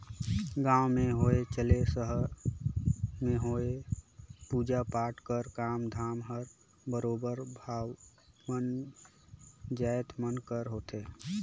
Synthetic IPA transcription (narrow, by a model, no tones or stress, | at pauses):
ɡãːwmẽɦoet͡ʃəlesəɦə | meɦoe | puːd͡ʒapaːʈkəɾkaːmd̪ʱaːmɦəɾ | bəɾoːbəɾbʱaːw | mən | d͡ʒaet̪mənkəɾɦot̪e